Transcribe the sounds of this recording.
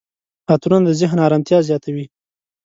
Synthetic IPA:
at̪unand̪əzɪɦnɑɾɑmt̪jɑzjɑt̪awi

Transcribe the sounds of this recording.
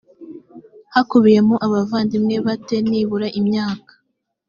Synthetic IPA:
hakuβije̞muʔaβavaːndimŋe̞βate̞niːβuɾaʔimɲaːkḁ

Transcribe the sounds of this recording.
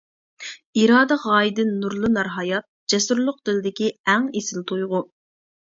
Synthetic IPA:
iɾɑːd̪ɛʁɑːid̪ɪnnuɾlˠɨnɑɾɦɑjɑt̪̚d͡ʒɛsuɾlˠʊq̚d̪ɪlɪd̪ɪkʲiæŋesɪlt̪ʰojʁʊ

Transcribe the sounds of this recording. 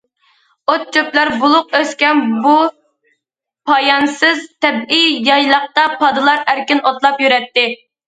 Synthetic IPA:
ot̪̚t͡ʃʰøplæɾbulˠʊq̚øskʲɛnbu | pʰɑjɑnsɨzt̪ʰɛbijjɑjlˠɑχ̚t̪ɑpʰɑd̪ɨlˠɑɾæɾkʲinot̪lˠɑpjyɾɛt̪ːɪ

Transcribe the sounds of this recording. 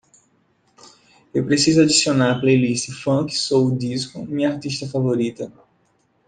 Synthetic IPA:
ewpɾesizʊad͡ʒ̪isionaɾɐplejlist̪ɪfɐ̃kɪ̥sowd̪iskʊmĩɲɐaɾt̪iʃt̪ɐfavoɾit̪ɐ

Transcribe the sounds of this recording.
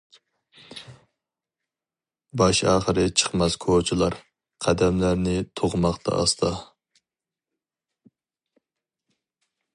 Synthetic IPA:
bɑʃɑːχəɾɨt͡ʃʰə̥χmɛskʰot͡ʃʰilˠɑɾ | qʰæd̪ɛmlæɾnɪt̪ʰoʁmɑχt̪ʰɑ̰ɑ̰st̪ʰɑ

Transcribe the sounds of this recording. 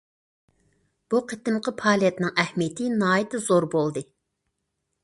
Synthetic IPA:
b̥uqʰət̪ɪmqʰəpʰɑːlˠijɛt̪nɨŋɛhmijet̪ʰɪnɑːjɛt̪ʰɨzoɾbolˠd̪ɨ

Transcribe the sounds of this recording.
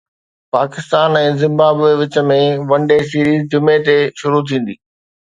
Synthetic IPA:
paːkɪst̪aːnɛ̃ːzɪ̃mbaːbeʋɪt͡ɕə̆mẽʋɐ̃ɳɖes̬iːɾiːzd͡ʑʊmet̪eʃʊɾut̪ʰĩːn̆d̪iː

